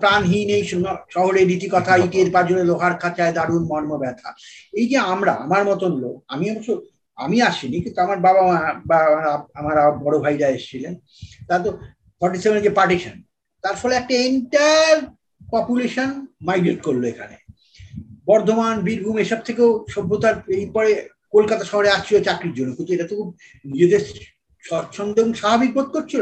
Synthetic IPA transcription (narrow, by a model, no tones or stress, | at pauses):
pɾanɦinejnʃɔɦoɾeɾit̪ikɔt̪ʰaiʈieɾpad͡ʑoɾeloɦaɾkʰat͡ɕaed̪aɾunmɔɾmobɛt̪ʰa̰ejd͡ʑeamɾaa̰maɾmɔt̪onloa̰miabaʃo | a̰miaʃinikint̪uamaɾbabamabamaɾaamaɾabɔɽobʱajɾaeʃt͡ɕʰilen | t̪at̪̬o | fɔɾʈisebend͡ʑepaɾʈiʃan | t̪aɾfɔleɛk̚ʈaeɳʈaɾ | pɔpjuleʃonmajɡɾeʈkoɾloekʰa̰nḛ | bɔɾd̪ʱomanbiɾbʱumeʃɔb̚t̪ʰekewʃɔbʱːot̪aɾejpɔɾe | kolkat̪aʃɔɦoɾeaʃt͡ɕʰilot͡ɕakɾiɾd͡ʑonːokint̪ueʈat̪okʰub̚ | nid͡ʑed̪e | ʃɔʃʰɔnd̪oeboŋʃabʱabik̚bot̪̚koɾt͡ɕʰilo